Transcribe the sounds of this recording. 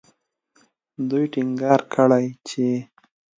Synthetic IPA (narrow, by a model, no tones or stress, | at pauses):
d̪ujʈɪŋɡɑɾkʰəɽajt͡ʃe